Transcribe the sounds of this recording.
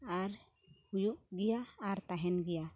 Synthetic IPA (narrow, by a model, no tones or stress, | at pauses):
aɾ | hujuʔɡijaːɾt̪aɦɛnɡɛja